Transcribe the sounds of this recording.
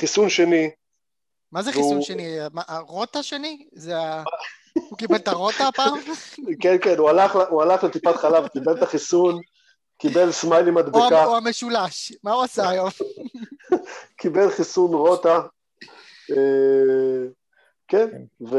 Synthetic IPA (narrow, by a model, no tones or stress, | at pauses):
χisunʃeni | mazeχvisuuʃeniamaʔaʁo̞t̪aʃenizea | hukibelt̪aʁo̞t̪apaːmkenkenualaχlaualaχlet̪ipat̪χalavkibelt̪aχisun | kibelsmajlimad̪beakaoame̞ʃulaʃmauasaajo̞m | kibelχisunʁot̪a | e | kenve